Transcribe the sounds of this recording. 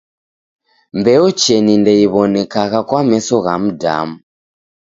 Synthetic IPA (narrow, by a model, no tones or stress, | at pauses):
mbɛɔt͡ʃɛnindɛiβɔnɛkaɣakwamɛsɔɣam̩da̰mu